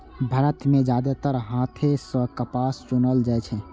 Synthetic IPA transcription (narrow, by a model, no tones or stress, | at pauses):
bʱaɾət̪ʰmẽd͡ʒaːd̪at̪əɾɦãːt̪ʰesəkəpaːst͡ʃʊnəld͡ʒajt͡ʃʰɛ